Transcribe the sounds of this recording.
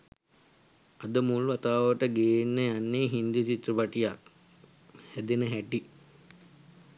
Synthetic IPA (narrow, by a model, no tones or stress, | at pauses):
ad̪əmuluat̪aːʋəʈəɡejːnːəjanːeːɦind̪ut͡ʃit̪rəpaʈijak | hæd̪enəɦæʈi